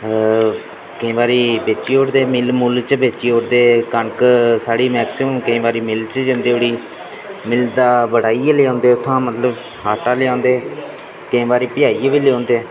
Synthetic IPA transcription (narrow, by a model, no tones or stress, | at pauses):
kəĩːʋaːɾiːbeːt͡ʃiːoːɽd̪eːmɪlmult͡ʃbeːt͡ʃiːoːɽd̪eːkəɳksaːɽiːmɛːksɪəmkəĩːʋaːɾiːmɪlt͡ʃd͡ʒə̃nd̪eːoɽiː | mɪld̪aːbəɽaːiːeːleãːnd̪eːʊt̪ʰːãːmət̪ləb | ɦaːʈaːlɪːãːnd̪eː | kəĩːbaːɾiːpɪjaːiːeʋiːleõːnd̪eː